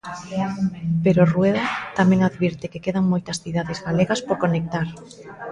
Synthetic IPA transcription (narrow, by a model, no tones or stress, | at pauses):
peɾorweðat̪amẽŋaðβiɾt̪ɪkekeðaŋmojt̪ɐsθið̞aðezɣaleɣaspoɾkonek̚t̪aɾ